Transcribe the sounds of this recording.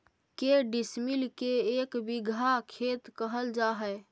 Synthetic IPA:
keɖismilkeekbiɡʱakʰet̪kəɦəld͡ʒaɦə

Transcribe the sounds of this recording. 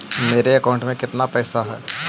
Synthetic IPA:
meːɾeɐkaʊ̃ɳʈmẽkɪt̪napɛːsaɦɛː

